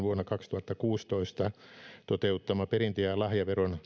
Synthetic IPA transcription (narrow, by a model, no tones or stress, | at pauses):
ʋuonːɑkɑkst̪uhɑt̪ːɑkuːst̪oist̪ɑt̪ot̪eut̪ːɑmɑperint̪ejɑlɑhjɑʋeron